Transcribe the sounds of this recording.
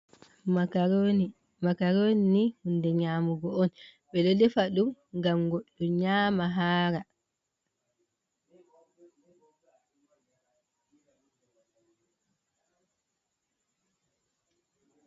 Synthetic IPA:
makaɾoninihundɛɲaːmuɡɔɔnɓɛledɛfaɗumŋɡamɡoɗːuɲaːmaɦaːɾa

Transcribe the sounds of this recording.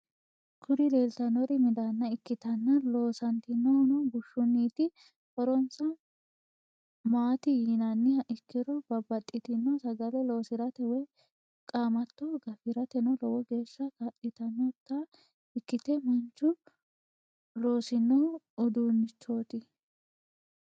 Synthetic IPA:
kʰʊɾɪleːlt̪ɐnɔɾɪmɪd̪anːɐɪkːɪt̪ɐnːɐlo̞ːsɐnt̪ɪnːɔnɔɡʊʃːʊnːiːt̪ɪ | hɔɾɔnsɐ | maːt̪ɪjinɐnːɪɐʔɪkːɪɾɔbɐbːɐt̪ʼːɪt̪ɪnːɔsɐɡɐlɛlo̞ːsɪɾɐt̪ɛwɛj | kʼaːmɐt̪ːɔɡɐfɪɾɐt̪ɛnɔlɔwɔɡe̞ːʃːɐkɐʔɪt̪ɐnːɔt̪ːa | ɪkːɪt̪ɛmɐnt͡ʃːʊ | lo̞ːsɪnːɔ | ɔd̪uːnːɪt͡ʃːoːt̪ɪ

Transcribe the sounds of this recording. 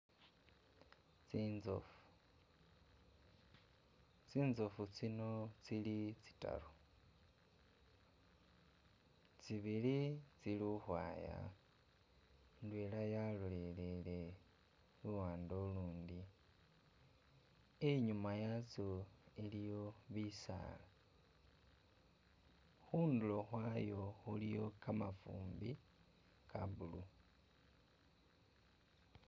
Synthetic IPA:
t͡sinzo̰fu̥ | t͡siːnzo̞fut͡sino̞t͡silit͡si̥ta̰ɾo | t͡siβilit͡siluhwa̰ːja̰ | ndweːlajalolelele̞ | luwaːndoluːndi | eɲumajat͡soelijo̞βisa̰ːla | xuːndulo̞xwaːjo̞xulijo̞kamafṵːmbi | kʰaβulu

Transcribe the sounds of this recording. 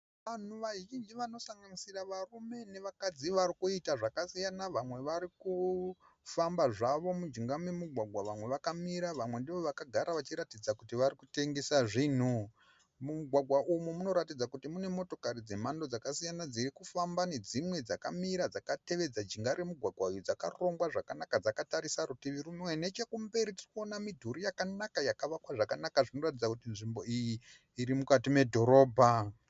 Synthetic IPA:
ʋan̤uʋaʒind͡ʒiʋano̞saŋɡanisiraʋarume̞ne̞ʋakad͡ziʋaɾikuitaʐakasijanaʋamwe̞ʋaɾiku | fambaʐaʋo̞mud͡ʒiŋɡamwemuɡʱwaɡʱwaʋamwe̞ʋakamiɾaʋamwe̞ndiʋo̞ʋakaɡʱaɾaʋat͡ʃiɾatid͡zakutiʋarikute̞ŋɡe̞saʐiːn̤u | muuɡʱwaɡʱwaʔumumuno̞ɾatid͡zakutimune̞mo̞to̞kaɾid͡ze̞mando̞d͡zakasijanad͡zirikufambane̞d͡zimwe̞d͡zaka̰miɾad͡zakate̞ʋe̞d͡zad͡ʒiŋɡaɾemuɡʱwaɡʱwaujud͡zaka̰ro̞ŋɡwaʐakanakad͡zakataɾisaɾutiʋiɾunwene̞t͡ʃekumbe̞ɾitirikuonamidʱuɾijakanakajakaʋakwaʐakanakaʐino̞ratid͡zakutinʐimbo̞ijiː | ɾimukatime̞dʱo̞ɾo̞ːbʱa

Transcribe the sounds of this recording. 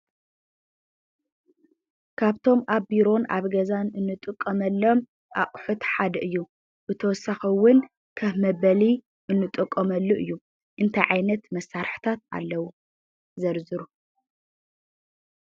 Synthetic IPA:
kʰaβt̪ʰo̞mʔaβbiɾo̞na̰βɡɐzanɨnːɨt̪ʼɨkʼːɐmɐlːo̞m | ʔaχʼħut̪ħad̪ɐʔɨjːu | bɨt̪ʰɐwɔsaxiwʊn | kʰɐβmɐβɐli | ʔɨnːɨt̪ʼɨkʼːɐmɐlːuʔɨjːu | ʔɨnt̪ʰajʕajnɐt̪mɐsːaɾħt̪ʰat̪̚a̰lːɐwu | zɐɾzɨɾu

